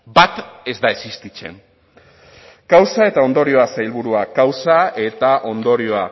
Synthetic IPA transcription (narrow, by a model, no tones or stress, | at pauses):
bat̪e̞zd̪aesist̪it͡se̞̰n | kawsae̞t̪ao̞nd̪o̞ɾio̞asajlβuɾuakawsae̞t̪aʔo̞nd̪o̞ɾio̞a